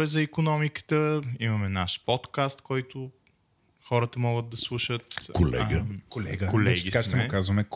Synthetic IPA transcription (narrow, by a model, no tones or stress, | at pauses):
ɾɛzɐikonɔmikə̥t̪əimɐmɛnaʃpɔt̪kast̪kɔjt̪ʊ | xɔɾət̪əmɔɡəd̪̚d̪ɐslˠuʃət̪kʰolɛ̰ɡəkolɛɡkolɛɡʲikʃt̪ɛmʊkazvɐmɛk